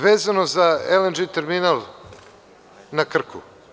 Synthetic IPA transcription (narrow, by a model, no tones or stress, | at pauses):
ʋeːzanozaelend͡ʒet̪eɾminalˠ | nakr̩kʰṵ